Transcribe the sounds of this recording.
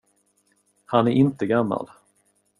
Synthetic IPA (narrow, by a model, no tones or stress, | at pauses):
hanæɾʔɪnt̪əɡamːa̰l